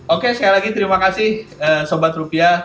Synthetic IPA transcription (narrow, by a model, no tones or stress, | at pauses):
okesə̥kajalaɡit̪əɾimakasɪhəsobat̪ɾupia